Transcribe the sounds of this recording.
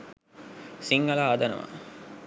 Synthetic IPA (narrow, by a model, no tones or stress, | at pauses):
siŋɡɐlaːɐd̪ɐnɐ̰ʋɐ̰